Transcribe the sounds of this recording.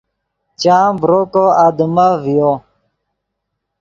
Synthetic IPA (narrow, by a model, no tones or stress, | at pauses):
t͡ɕaːbɾokoad̪mavijo